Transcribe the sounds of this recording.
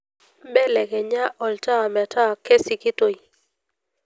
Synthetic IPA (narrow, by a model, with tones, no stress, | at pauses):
bɛ˦lɛ˨kɛ˨ɲa˦ʔɔ˨lta˦a˨m˨a˨tʰa˦˨ke˦si˨kɪ˦to˨i˨